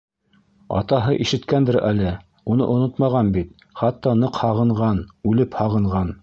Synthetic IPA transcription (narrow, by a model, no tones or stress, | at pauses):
ɑ̰t̪ɑɦɤʔiʃɘ̆t̪kænd̪ɘɾæ̰lɘ | unɤ̰ʔŏnot̪mɑʁɑnbit̪̚ | χɑt̪ːɑnɤqhɑʁɤ̆ɴʁɑnʉlɘphɑʁɤ̆ɴʁɑn